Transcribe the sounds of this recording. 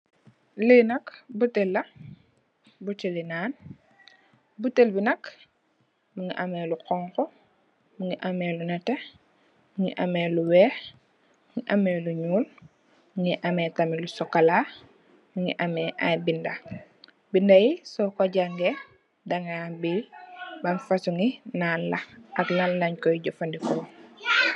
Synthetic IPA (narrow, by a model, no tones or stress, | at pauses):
linɐkbutelːɐ | butilinaːn | butːelbinɐk | muŋiʔamɛluqɔŋkɔ | muŋiʔamɛlunɛte | muŋiʔamɛluwɛː | muŋiʔamɛluɲuːl | muŋiʔamɛːtamilusɔkala | muŋḭʔamɛʔajbindɐ | bindɐjisɔkɔɟaŋɡɛ | daŋabilbɐnfasuŋinalːɐɐklalːɐɲkɔjiɟɔfɐndikɔː